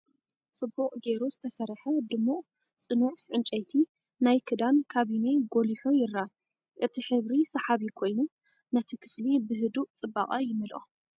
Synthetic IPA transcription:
t͡sʼɨbːukʼɡe̞ɾuzɨt̪ʰɐsɐrːħɐd̪ɨmːuʔʼ | t͡sʼɨnuħʕɨnt͡ʃʼɐjt̪ʰi | najkʰɨd̪ankʰaβine̞ɡoliħojɪɾːa | ʔɨt̪ʰiħɨβɾisɐħaβikʰo̞jnu | nɐt̪ʰikʰɨ̥flibɨɦɨd̪ut͡sʼɨbːa̰χʼɐjɪmɨlʔo̰

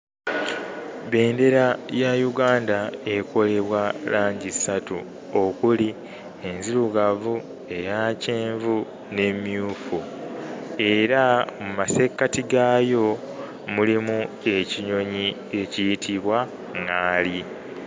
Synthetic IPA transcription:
βe̞ːnde̞ɾajajuɡaːndae̞kʰo̞le̞βwalaːɲɟisatu | o̞kuli | enziluɡavu | e̞jaːce̞ːɱvu | ne̞mjuːfu | e̞ɾamumase̞kːatiɡaːjo̞ | mulimu | e̞ciɲo̞ɲi | e̞cijitʰiβwa | ŋaːli

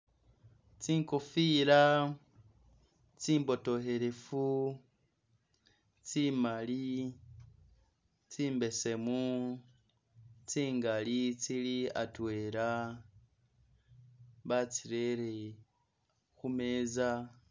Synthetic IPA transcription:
t͡siːŋkofiɾa | t͡siːmbo̞to̞he̞ɾe̞fu | t͡simali | t͡siːmbe̞se̞mu | t͡siːŋɡalit͡silia̰twe̞ːɾa | βat͡siɾeɾe | xumeːza

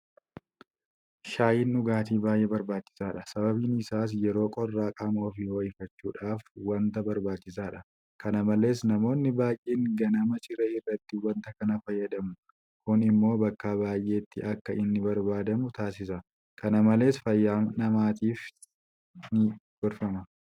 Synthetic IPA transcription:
ʃaːjɪnʔʊɡaːt̪iːbaːjʔeːbɐɾbaːt͡ʃːɪ̥saːᶑɐsɐbɐbiːnɪsaːs̬jɛɾo̞ːkʼɔrːaːkʼaːmoːfiːwɐjɪfɐt͡ʃːuːᶑaːfwɐnt̪ɐbɐɾbaːt͡ʃːɪsaːᶑɐ | kɐnɐmɐle̞ːsnɐmo̞ːnːɪbaːjʔeːŋɡɐnɐmɐt͡ʃʼɪɾɛːɪrːɐt̪ːɪwɐnt̪ɐkɐnɐfɐjːɐᶑɐmʊ | kʊnɪmːo̞ːbɐkːaːbaːjʔe̞ːt̪ːɪɐkːɐʔɪnːɪbɐɾbaːd̪ɐmʊt̪aːsɪs̬ɐ | kɐnɐmɐle̞ːsfɐjːaːnɐmaːt̪iːf | nɪfʊɾfɐmɐ

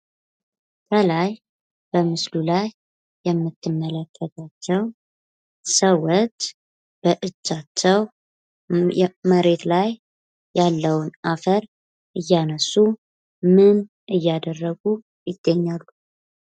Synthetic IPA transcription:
kʰəlaj | b̥əmɨslulajː | ɛmːɨt̪ʰːɨmːələkʰːət̪ʰat͡ʃːɛw | səwɔt̪ | b̥əʔɨt͡ʃːat͡ʃːɛw | məɾe̞t̪lajː | alːəwnafəɾ | ʔɨjːanəsːu | mɨn | ʔɨjːad̪ərːəɡu | jɪd̪ːəɲːalːu

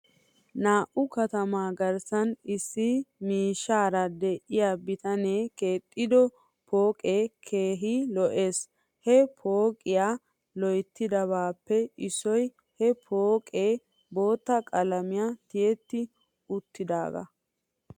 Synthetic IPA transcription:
naːʔʊkɐt̪ɐmaːɡɐɾsɐnɪsːɪmiːʃːaːɾɐd̪ɛʔɪjabɪt̪ɐneːke̞ːt̪ʼːɪd̪ɔ | po̞ːkʼeːkʰeːɦilɔʔe̞ːs | hɛpʰo̞ːkʼɪjaː | lɔjt̪ːɪd̪ɐβaːpːɛɪsɔj | hɛpʰoːkʼeː | bo̞ːt̪ːɐkʼɐlɐmɪjat̪ɪjɛt̪ːɪ | ʊt̪ːɪd̪a̰ːɡɐ̰

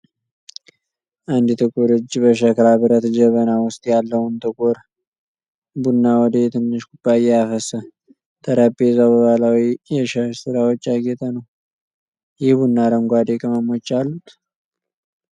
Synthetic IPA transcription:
ʔand̪ɨt̪ʰɨkʼoɾɨd͡ʒːbəʃ̬əkɾabɨɾət̪d͡ʒəβənawʊst̪ʼjalːəhunt̪ɨkʼoɾ | bunːawɔd̪əjɛt̪ʰɨnːɨʃɡub̥ːaɪjːɛafəsə | t̪ʰəɾəbezawbəβalawijɛʃəʃsɨɾawot͡ʃːaɡet̪ʰənəw | jɪhbunːaɾəŋɡʷad̪ekʰʼəməmot͡ʃːalːut̪ʰ

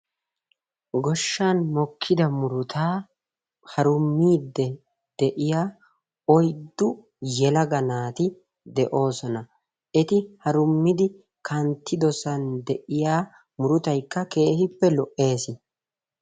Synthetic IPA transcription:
ɡɔʃːanmɔkʰːɪd̪ɐmʊɾʊt̪ʰaː | hɐɾʊmːiːd̪ːɛ | d̪̥ɛʔɪjaː | ɔjd̪ːʊ | jɛlɐɡɐnaːt̪ɪ | d̪ɛʔo̞ːsɔnɐ | ʔɛt̪ɪhɐɾʊmːɪd̪ɪ | kɐnt̪ːɪd̪ɔsɐnd̪ɛʔɪjaː | mʊɾʊt̪ɐjkːɐke̞ːhɪpːɛlɔʔːe̞ːsɪ

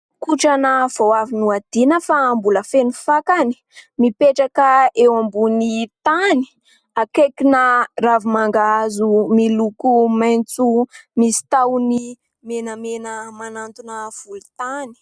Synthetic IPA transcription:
kuʈ͡ʂanav̥owavinuad̪̥inəfaːmbuləfenufakani̥mipeʈ͡ʂakəewambunit̪ani̥ | akekinaravumaŋɡazumilukumajnt͡sumisi̥t̪awnii | menəmenəmanant̪unəv̥ulut̪ani̥

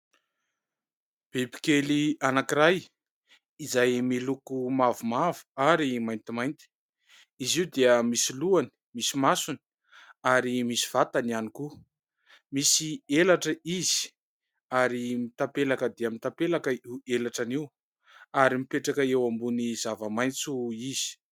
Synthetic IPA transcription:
b̥ebi̥kelianakiɾaj | izajmilukumavumavu̥aɾimajnt̪imajnt̪i̥ | iziud̪eəmisiluani̥ | misimasuni̥ | aɾimisi̥v̥at̪anianiku | misielaʈ͡ʂəizi̥ | aɾimit̪ampelakəd̪eamit̪apelakəiwelaʈ͡ʂaniw | aɾimipeʈ͡ʂakəewambunizavəmajnt͡suiz̥i̥

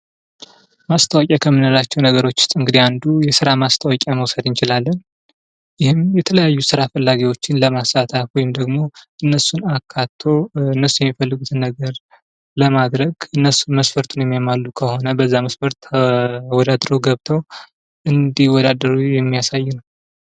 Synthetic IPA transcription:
mast̪ʰəwakʼakʰəmːɨnalat͡ʃːɛwnəɡəɾo̞t͡ʃːɪ̥st̪ʼɨŋɡɨd̪iand̪ujɛsɨɾamast̪ʰəwakʼaməwsəd̪ɨnt͡ʃɪlalːən | jɪhɪmjɛt̪ʰələjajːusɨɾafəlːaɡiwo̞t͡ʃːɪnləmasat̪ʰafwɔjɪmd̪əɡmo̞ʔɨnːəsunakʰːat̪ʰːo̞ɨnːəsːujɛmːifəlːɨɡut̪ʰɨnːəɡəɾ | ləmad̪ɾəɡɨnːəsuməsfəɾt̪ʰunjɛmːijamalːukʰəho̞nəbəzːaməsfəɾt̪ | wɔd̪ad̪ɾoɡəβt̪ʰəw | ʔɨnd̪ihwɔd̪ad̪əɾujɛmːijasajːɪnəw

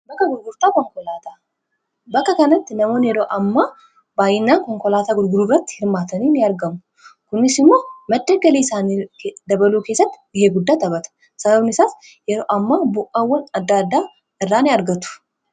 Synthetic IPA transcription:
bɐkːɐɡʊɾɡʊɾt̪aːkɔŋkɔlaːt̪a | bɐkːɐkɐnɐt̪ːɪnɐmo̞ːnɪjɛɾoːʔɐmːaː | baːjɪnːaːŋkɔŋkɔlaːt̪aːɡʊɾɡʊɾuːrɐt̪ːɪ̥hɪɾmaːt̪ɐniːnɪɐɾɡɐmʊ | kʊnɪsɪmːoːmɐd̪ːɐɡɐliːsaːnid̪ɐbɐluːke̞ːsːɐt̪ːɪ̥bɪheːɡʊd̪ːaːt̪ɐbɐt̪ɐ̥ | sɐbɐbnɪsaːf | jɛɾoːʔɐmːaːbʊʔɐwːɐnɐd̪ːaːd̪ːaː | ɪrːaːnɪɐɾɡɐt̪ʊ̥

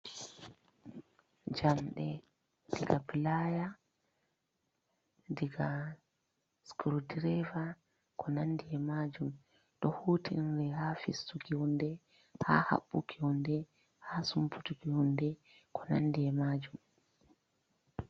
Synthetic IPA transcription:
d͡ʒamɗɛ | diɡapilaja | diɡa | skɾudiɾɛva | kʰɔnandiɛmad͡ʒum | ɗɔhuːtinɾɛhafḭstukiundɛ | ha̰ha̰ɓːukʰihundɛ | hasumpʰutukihundɛ | kʰɔ̥nandiɛmad͡ʒum

